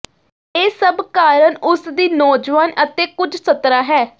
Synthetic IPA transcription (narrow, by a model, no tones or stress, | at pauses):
eːsəbkaːɾəɳʊsd̪iːnɔːd͡ʒʋaːnət̪eːkʊd͡ʒsət̪ɾaːɦɛː